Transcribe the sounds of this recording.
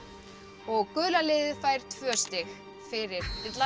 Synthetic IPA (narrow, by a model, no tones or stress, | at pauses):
ɔɣkʏːlalɪːðɪfajɾ̥t̪ʰvœst̪ɪx | fɪɾɪɾ̥ɪt̪la